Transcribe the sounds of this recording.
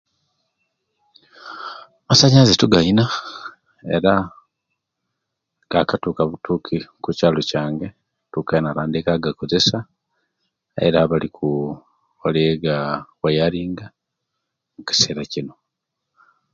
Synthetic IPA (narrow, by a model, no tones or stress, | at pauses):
masaɲazetuɡaina | e̞̰ɾa | ŋɡakatuːkaβutukʰikucaːlocaːŋɡe̞ | tukainaɾaːndikaɡako̞ze̞sa | ḛɾaβalikʰu | aleɡawajaɾiːŋɡa | muci̥se̞ːɾacino̞